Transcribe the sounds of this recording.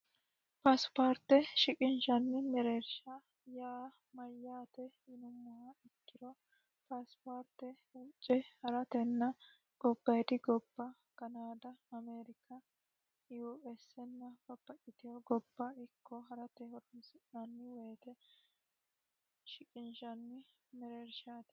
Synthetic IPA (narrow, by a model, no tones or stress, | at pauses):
pɐspoːɾt̪ːɛʃɪkʼɪnʃɐnːɪmɛɾeɾʃɐ | jaː | mɐjːaːt̪ɛ | ɪnʊmːʊwɐɪkːɪɾɔ | pɐspoɾt̪ːɛ | ut͡ʃʼːɛhɐɾɐt̪ɛnːɐ | ɡ̥ɔbːɐjt̪ɪɡɔbːɐ | kɐnaːd̪ɐɐmeːɾɪkʰɐ | juɛsɛnːɐbɐpːɐkʼɪt̪ɪjɔɡɔbːɐɪkʰːɔɦɐɾɐt̪ɛhɔɾɔnsɪɐnːɪwɛːt̪ɛ | ʃɪkʼɪnʃɐnːɪ | mɛɾeːɾʃaːt̪ɛ̥